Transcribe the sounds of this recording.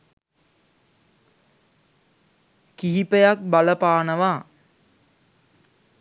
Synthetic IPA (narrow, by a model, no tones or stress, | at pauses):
kiɦipəjak̚baləpaːnəʋaː